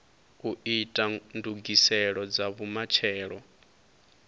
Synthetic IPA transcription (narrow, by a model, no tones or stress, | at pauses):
uitʼanduɡisɛɺɔd͡zaβumat͡ʃʰɛːɺɔ